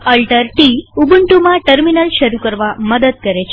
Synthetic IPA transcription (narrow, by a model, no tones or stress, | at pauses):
əlʈəɾʈiubuɳʈumãʈəɾminəlʃəɾukəɾʋaməd̪əd̪̚kəɾet͡ʃʰ